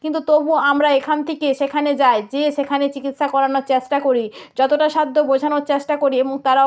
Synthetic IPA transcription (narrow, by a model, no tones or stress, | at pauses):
kint̪̬ut̪obuamɾaekʰant̪ʰekeʃekʰaned͡ʑaed͡ʑeʃekʰanet͡ɕikit̪ʃakɔɾanoɾt͡ɕesʈakoɾid͡ʑɔt̪oʈaʃad̪ʱːobod͡ʑʱanoɾt͡ɕeɕʈakoɾieboŋt̪aɾa